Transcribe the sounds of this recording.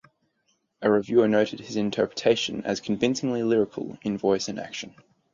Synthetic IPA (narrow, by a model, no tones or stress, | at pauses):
ʔəɹɪvjʉːənəʊɾɪd̚ɪzɪ̃ntʰɜˑ˞pʰɹ̥ətʰeɪʃə̃nə̰z̥kʰə̃ɱvɪ̃nsɪ̃ŋlilɪɹɪkʰə̰lˠɪ̃nvɔɪsə̃næ̰kʃə̃n